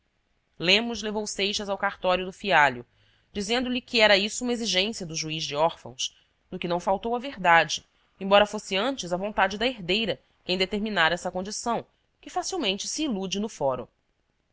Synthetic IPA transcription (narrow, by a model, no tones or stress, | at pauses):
lẽmʊzlevowsejʃɐzawkaɾt̪ɔɾjʊd̪ʊfiaʎjʊ | d͡ʒizẽnd̪ʊlɪkɪɛɾɐisʊũmɐeziʒẽsiɐd̪ʊʒuizd͡ʒɪɔɾfɐ̰̃w̃s | d̪ʊkɪnɐ̃w̃fawt̪owɐveɾd̪ad͡ʒɪ | ẽbɔɾɐfosɪɐ̃nt͡ʃɪzɐvõnt̪ad͡ʒɪd̪ɐeɦd̪ejɾɐ | kẽj̃d̪et̪eɾminaɾɐɛsɐkõnd͡ʒisɐ̃w̃ | kɪfasiwmẽnt͡ʃɪ̥siːlud͡ʒɪnʊfɔɾʊ̰